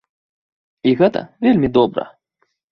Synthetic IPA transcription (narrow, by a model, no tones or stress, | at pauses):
iɣɛt̪ɐ̰vʲelʲmʲid̪ɔbɾɐ̰